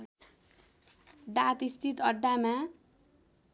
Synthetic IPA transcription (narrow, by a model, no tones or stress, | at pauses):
ɖat̪ist̪it̪ʌɖːama